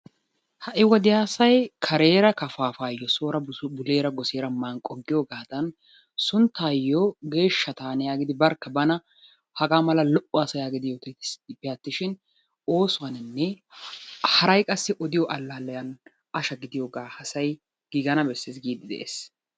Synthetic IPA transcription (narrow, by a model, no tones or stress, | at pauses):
hɐʔɪwɐd̪ɪjaːsɐjkʰɐɾe̞ːɾɐkɐfaːfaːjːɔso̞ːɾɐbʊle̞ːɾɐɡɔseːɾɐmaːnkʼɔɡːɪjoɡaːd̪ɐn | sʊnt̪ːaːjːɔɡe̞ːʃːɐt̪aːnɛjaːɡɪd̪ɪbɐɾkːɐbɐnɐ | hɐɡaːmɐlɐlɔʔʊasɐjaːɡɪd̪ɪjoːt̪ɪt̪ɪpɪjat̪ːɪʃɪn | o̞ːsʊwɐnɪnːɛ | hɐɾɐjkʼɐsːɪʔɔd̪ɪjɔʔɐlːalːɐjɐn | ɐʃɐɡɪd̪ɪjoːɡaːhɐsɐj | ɡ̥iːɡɐnɐbɛsːesɡiːd̪ɪd̪ɛ̰ʔḛːs